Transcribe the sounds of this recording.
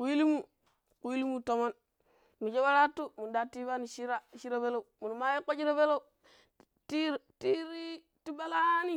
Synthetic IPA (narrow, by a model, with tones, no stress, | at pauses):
ku˨ji˦li˦mu˦˨ | ku˨ji˦li˦mu˦to˨mo˦n | mu˨d͡ʒe˦ba˦ɾa˦tu˦mu˨da˨ti˦ba˦ni˨ʃi˦ɾa˦˨ʃi˦ɾa˦be˦lo˦u˨mu˨n˨ma˦je˦ko˦d͡ʒi˦ɾa˦be˦lo˦u˨˦ | ti˦˨ti˦ɾi˦ | ti˦ba˦la˦ni˦